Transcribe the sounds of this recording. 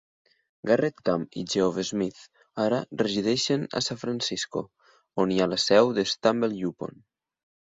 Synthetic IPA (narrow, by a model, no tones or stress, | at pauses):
ɡaret̪kamḭd͡ʒeovezmiθ | aɾareziðeʃena̰saɱfɾansisko̰ | onialasɛwðest̪ambelʎupo̰n